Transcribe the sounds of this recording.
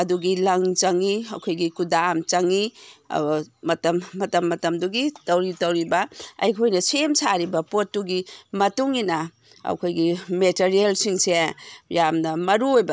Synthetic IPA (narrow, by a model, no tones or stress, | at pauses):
ɐduɡilɐŋt͡ʃɐŋiɐkʰojɡikudamt͡ʃɐŋi | ɐtɐmːɐtɐmːɐtɐmduɡitɐwɾitɐwɾibɐɐ̰jkʰojnɐsemsaɾibɐpotːuɡimɐtuŋinɐ | ɐ̰kʰojɡimeteɾielsiŋsejamnɐmɐɾuojbɐ